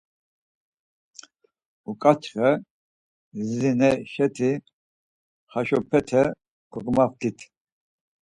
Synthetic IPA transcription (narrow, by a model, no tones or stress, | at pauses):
ukʼat͡ʃʰχɛ | zzinɛʃɛt̪ʰi | χaʃɔpʰɛt̪ʰɛ | kʰɔɡmaft̪ʰit̪ʰ